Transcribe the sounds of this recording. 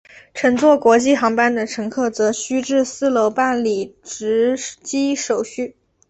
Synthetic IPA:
ʈ͡ʂʰɤ˧˥ŋt͡swɔ˥˩kwɔ˧˥t͡ɕi˥˩xɑ˧˥ŋpa˥nd̪ə˨ʈ͡ʂʰɤ˧˥ŋkʰɤ˥˩t͡sɤ˧˥ɕy˥ʈ͡ʂɻ̩˥˧sɹ̩˥˩lo˧˥ʊpa˥˩nli˨˩ʈ͡ʂɻ̩˧˥t͡ɕi˥ʂo˨˩ʊɕy˥˩

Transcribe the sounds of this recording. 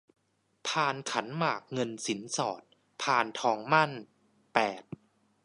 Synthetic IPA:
pʰaː˧nkʰa˩˦nmaː˨˩k̚ŋɤ˧nsi˩˦nsɔː˨˩t̪̚ | pʰaː˧nt̪ʰɔː˧ŋma˥˩n | pɛː˨˩t̪̚

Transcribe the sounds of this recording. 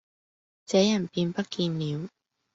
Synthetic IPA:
t͡sɛː˨˧˥jɐ˨˩npiː˧npɐ˥t̚kiː˧nliː˨˧w

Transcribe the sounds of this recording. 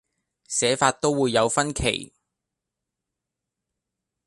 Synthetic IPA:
sɛː˨˥faː˧t̚t̪o˥wwuː˨˧jːɐ˨˧wfɐ˥nkʰḛ˨˩j

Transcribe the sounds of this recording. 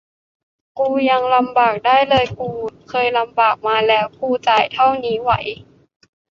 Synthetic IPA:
kuː˧ja˧ŋla˧mbaː˨˩k̚daː˥˩jlɤː˧jkuː˧kʰɤː˧jla˧mbaː˨˩k̚maː˧lɛː˦˥wkuː˧t͡ɕaː˨˩jt̪ʰa˥˩wniː˦˥wa˧˦j

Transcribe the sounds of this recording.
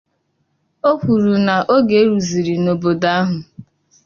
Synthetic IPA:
o˦kʷu˨ɾu˨na˨ʔo˦ɡe˨˦ɾu˨zi˨ɾi˨no˨bo˨da˦ɦʊ˨

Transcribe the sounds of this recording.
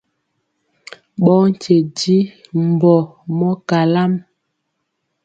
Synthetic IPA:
ɓɔ˦n̩˨t͡ʃe˨di˦m̩˨bɔ˨mɔ˦ka˨la˦m

